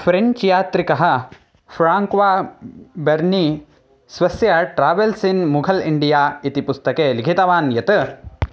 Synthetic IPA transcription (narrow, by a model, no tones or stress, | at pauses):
pʰɾeɲt͡ʃjaːt̪ɾikɐɦɐ̆ | fʰɾaːŋkʋaːbɐɾni | sʋɐsjɐʈɾaːʋelsinmuɡʱɐliɳɖijaːit̪ipust̪ɐkeːliɡʰʱit̪ɐʋaːnjɐt̪ɨ